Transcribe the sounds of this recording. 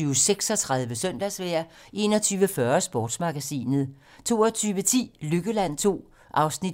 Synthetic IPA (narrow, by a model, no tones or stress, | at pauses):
yːseɡ̥sɒ̽t͡sʰʁað̞ˠʋəsœn̰d̥æsʋeɐ | ʔe̝ːnɒ̽t͡sʰyːʋəfɶɐsb̥ɒːd̥smɑ̈ɡ̥æsḭːnð̞̩ˠ | t͡sʰo̝̰ːɐt͡sʰyːʋət͡sʰḭːlyɡ̥əlæn̰t͡sʰo̝̰ː | ʔɑ̈ʊsnid